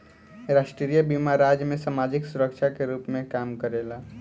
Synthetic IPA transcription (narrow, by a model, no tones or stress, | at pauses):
ɾaːʃʈɾɾijəbimaɾaːd͡ʒmẽsamaːd͡ʒɪksʊɾəkʃʰakeɾuːpmẽkaːmkəɾeːlaː